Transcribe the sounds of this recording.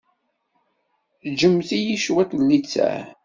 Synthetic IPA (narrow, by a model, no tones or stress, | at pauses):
d͡ʒəmːθijiʃwæt̪lːit͡sːæ̰